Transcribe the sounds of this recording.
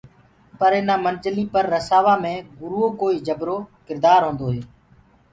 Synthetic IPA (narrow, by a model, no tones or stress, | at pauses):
pəɾenaːmənt͡ʃəlĩːpəɾːəsaːʋaːmẽːɡʊɾuːoːkoːiːd͡ʒəbɾoːkɪɾd̪aːɾɦõːnd̪oːɦeː